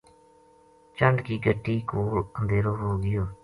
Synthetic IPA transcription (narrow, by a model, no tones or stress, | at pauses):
t͡ʃəɳɖkiːɡəʈːiːkoːlənd̪ʱeːɾoːɦoːɡɪjoː